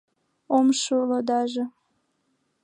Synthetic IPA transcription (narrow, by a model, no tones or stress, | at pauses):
omʃulod̪ɑʒɤ̆